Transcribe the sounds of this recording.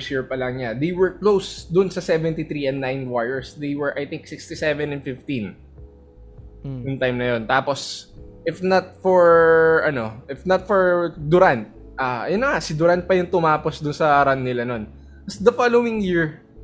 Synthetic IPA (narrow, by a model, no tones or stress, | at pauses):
sjɪɹpɐlɐŋɲad̪ejwɛɹklowsd̪ʊnsɐsɛvɛnt̪iθɾiɛ̃nd̪ːajnwajɛɹsd̪ejwɛɹʔajt̪ɪŋk̚sɪkst̪isɛvɛ̃nɛnfɪft̪ĩn | jʊŋt̪ajmnɐjo̞nt̪aːposʔɪfnɐt̪̚fɔɹʔɐno̞ʔɪfnɐt̪̚fɔɹd̪ʊɾant̪̚ | ʔaːjʊnːɐŋasɪd̪ʊɾant̪̚pɐjʊŋt̪ʊmaːposd̪ʊnsɐɾanːɪlanon | ɐsd̪ɐfalowɪ̃ŋjiɹ